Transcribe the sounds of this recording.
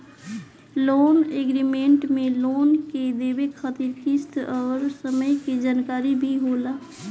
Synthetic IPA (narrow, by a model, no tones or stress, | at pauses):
loːneːɡɾimẽɳʈmẽloːnked̪eːbekʰaːt̪iɾkist̪ʰɔːɾsəməjked͡ʒaːnkaːɾibʱiɦoːlaː